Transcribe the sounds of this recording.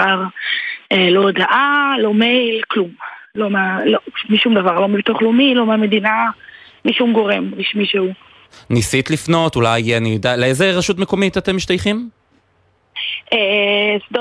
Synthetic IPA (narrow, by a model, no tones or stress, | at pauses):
aʁ | elod̪aʔalo̞mejlklumlomaloʃutmiʃumd̪avaʁlo̞mibt̪oχlomilo̞mame̞d̪ina | miʃumɡo̞ʁemʁiʃmiʃeu | nisit̪lifno̞tulajijeanijodaleezeʁaʃutmeko̞mitatemiʃt̪ajχim | esd̪